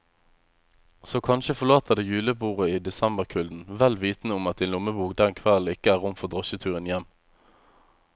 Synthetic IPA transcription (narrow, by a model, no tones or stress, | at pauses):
soːkʰɑnʃəfɔlɑːt̪əd̪eːjʉːləbuːʁəiːd̪ɛsɛmbəʁkʰʉld̪n̩ʋɛlʋiːt̪nəʊmɑt̪d̪ɛːnlʊməbuːɡd̪ɛŋkʰʋæln̩ɪkəæːʁʊmfɔʁd̪ʁɔʃət̪ʰʉːʁənjɛm